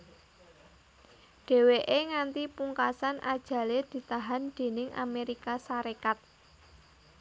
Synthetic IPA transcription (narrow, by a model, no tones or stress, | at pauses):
ɖ̥e̤weʔeŋant̪ipuŋkasanʔa̰d̥ʒ̥ä̤led̪̥i̤t̪aɦand̪̥e̤nɪŋʔa̰meɾikasaɾekat̪̚